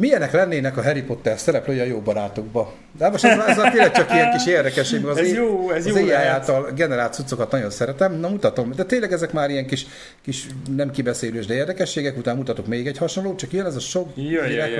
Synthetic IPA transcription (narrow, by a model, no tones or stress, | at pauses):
mijɛnɛklɛnːeːnɛkɒɦɛɾipo̞t̪ːɛrsɛɾɛpløːjɛɒjoːbɒɾaːt̪oɡbɒ | d̪aːʋɒʃoɛzteːlːɛk̚t͡ʃɒkijɛŋkiʃeːrd̪ɛkɛʃːeːɡmɛɡɒz | zeːjaːjaːlt̪ɒlɡɛnɛɾaːlt̪sut̪sːo̞kɒt̪nɒjo̞nsɛɾɛt̪ɛmnɒmut̪ɒt̪o̞md̪ɛt̪eːnlɛɡɛzɛkmaːɾijɛŋkiʃ | kiʃnɛmkibɛseːløːʒd̪ɛeːrd̪ɛkɛʃːeːɡɛkut̪aːmmut̪ɒt̪okmeːɡɛchɒʃonloːt͡ʃɒkjønɛzɒʃoɡ̪ɛ